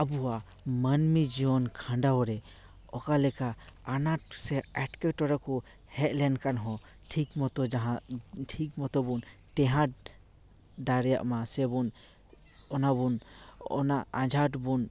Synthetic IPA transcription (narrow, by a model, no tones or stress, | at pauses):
abuamanmid͡ʒɔnkʰãɳɖaɔɾɛ | ɔkalɛkaːnaʈsɛɛʈkɛʈɔɾakɔ | hɛt̪̚ˀlɛnkanɦɔ̃ʈʰikmɔt̪ɔd͡ʒaɦaʈʰik̚mɔt̪ɔbun | ʈɛɦãʈ̚ | d̪aɾɛja̰ʔmasɛbun | ɔnabunɔ̰naãd͡ʒʱaʈbun